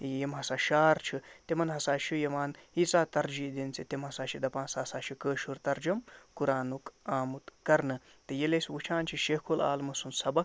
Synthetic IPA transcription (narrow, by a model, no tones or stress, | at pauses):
jemɦɐsaːʃaːɾt͡ʃʰit̪emɐnɦɐsaːʃujɐmaːnit͡saːt̪ɐɾd͡ʒid̪int͡sʰit̪emɦɐsaːʃid̪ɐpãːnsaːsaːʃukəːʃuɾt̪ɐɾd͡ʒɐmkuɾaːnukaːmut̪kɐɾnɨ | t̪ɨjeleswut͡ʃʰaːnt͡ʃʰiʃekʰola̰ːlmɐsunsɐbɐk